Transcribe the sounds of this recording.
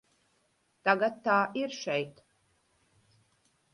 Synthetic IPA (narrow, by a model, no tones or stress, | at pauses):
t̪aɡat̪ːaːʔiɾʃɛjt̪